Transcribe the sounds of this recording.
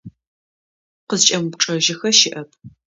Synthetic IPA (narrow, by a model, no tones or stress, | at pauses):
qəzt͡ʃʼɐmupʈ͡ʂʼɐʒɪxɐʃɪʔɐp̚ʰ